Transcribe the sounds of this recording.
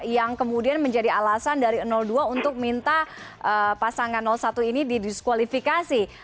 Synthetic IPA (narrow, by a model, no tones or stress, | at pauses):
jaŋkəmudianməɲd͡ʒadialasandaɾiənɔlduaunt̪ʊk̚mint̪aʔəpasaŋanːɔlsat̪uinididiskwalifikasi